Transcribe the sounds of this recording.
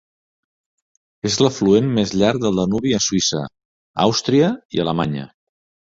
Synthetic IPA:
ezləfluenmezʎaɾk̚d̪əlˠd̪ənuβiəsuisə̰ | a̰wst̪ɾiəḭələma̰ɲə̰

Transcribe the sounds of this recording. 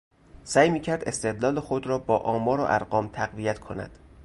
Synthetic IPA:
sæːjmiːcʰæɾd̪e̞st̪e̞d̪lɒːlexod̪ɾɒːbɒːʔɒːmɒːɾo̰ʔæ̰ɾɢɒːmt̪ʰæɣvijæt̪kʰo̞næ̰d̪̥

